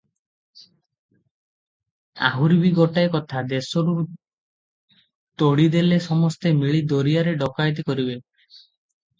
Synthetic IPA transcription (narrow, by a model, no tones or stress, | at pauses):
a̰ɦuɾibiɡɔʈajkɔt̪ʰad̪esɔɾu | t̪oɽid̪elesɔmɔst̪emiɭid̪oɾijaɾeɖɔkajt̪̬ikɔɾibe